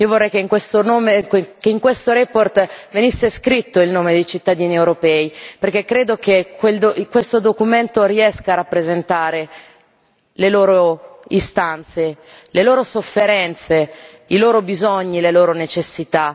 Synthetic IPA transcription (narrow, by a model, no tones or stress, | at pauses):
iːovorːɛjkeiŋkwest̪onoːmekeiŋkwest̪oɾeport̪venisːeskɾit̪ːoilnoːmed̪ejt͡ʃit̪ːad̪iːniewɾopɛːiperk̟ekːɾeːd̪okekweld̪okwest̪od̪okument̪oɾiɛskaːrapːɾezent̪aːɾe | leloːɾoist̪ant̪se | leloːɾosofːeɾɛnt̪se | iloːɾobizoɲːileloːɾonet͡ʃesːit̪a